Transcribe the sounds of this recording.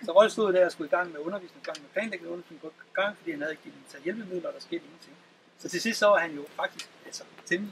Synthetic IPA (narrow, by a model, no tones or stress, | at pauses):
sɒʁɒl̰sd̥o̝ðˠd̥æɐɒsɡ̥uiɡ̥ɑ̈ŋ̰meɔ̽nɐʋḭːsneŋiɡ̥ɑ̈ŋ̰mepʰlɛ̰ːnleɡ̥nəɔ̽nsɡ̥ʰɔɡ̥ɑ̈ŋ̰fɒd̥ḭːhænhæðˠeɡ̥i̥ːt͡sʰɛ̰ːjelb̥əmiðˠlɐɒɾ̥ɑ̈sɡ̥e̝̰ːd̥e̝ŋn̩t͡sʰe̝ŋ̰ | sɒ̽t͡sʰe̝sisd̥sɒ̽ʋɑ̈hænjo̝fɑ̈ɡ̥̚d̥isɡ̥ælsɒt͡sʰeli